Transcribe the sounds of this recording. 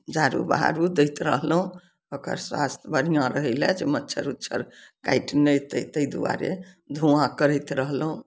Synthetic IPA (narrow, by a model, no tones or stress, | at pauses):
d͡ʒaɾṵbaɦa̰ɾud̪ejt̪ɾəɦlɦũ | okə̰ɾswa̰st̪ʰbəɾijãɾəɦɛɪlɛd͡ʒemətːt͡ʃʰəɾutːt͡ʃʰəɾka̰jʈnət̪ət̪əjd̪uwa̰ɾḛ | d̪ʱuãkəɾəjt̪ɾəɦlɦũ